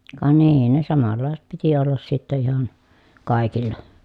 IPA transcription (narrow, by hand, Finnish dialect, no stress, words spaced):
kɑ niː ne sɑmɑlːɑˑeset piti olːɑs sitːe ihɑn kɑˑi̯kilːɑ